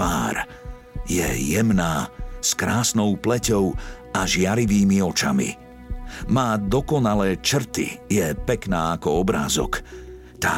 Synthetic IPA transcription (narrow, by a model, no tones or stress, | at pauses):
a̰ːɾ | jɛ̰jɛmnaːskɾaːsnɔʊplɛcɔʊ | aʒɪaɾiʋiːmiɔt͡ʃa̰mḭ | maːd̪ɔkɔnalɛːt͡ʃr̩t̪ḭjɛpɛknaːakɔɔbɾa̰ːzɔ̰k | t̪aː